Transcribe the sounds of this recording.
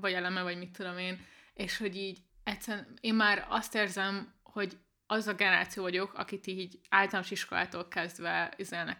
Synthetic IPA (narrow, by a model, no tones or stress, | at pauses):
vɒɟɛlɛmɛvɒɟmit̪ːud̪o̞meːneːʃho̞ɟiːɟ | ɛt̪sːɛɾneːmːaːɾɒ̰st̪eːrzɛmho̞ɟ | ɒzɒɡɛnɛɾa̰ːt̪sijoːvɒɟo̞kʰɒ̰kit̪iːɟaːlt̪ɒlamoʃiʃko̞lʔa̰ːt̪oːlkɛzd̪ʋɛizɛlnɛ̰k